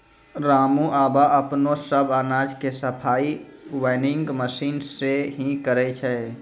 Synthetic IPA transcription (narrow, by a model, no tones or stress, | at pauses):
ɾaːmũʔaːbaʔəpnosəbaːnaːd͡ʒkesəpʰaːiwaɪnɪŋɡməsiːnseɦĩkəɾɛt͡ʃʰɛ